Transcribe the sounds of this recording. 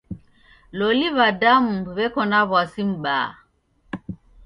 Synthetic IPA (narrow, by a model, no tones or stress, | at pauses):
lɔliβadamuβɛkɔnaβwasim̩ɓa̰ː